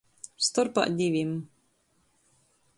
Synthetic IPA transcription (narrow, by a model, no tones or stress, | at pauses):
st̪ɔɾpa̰ʔd̪ʲiʋʲim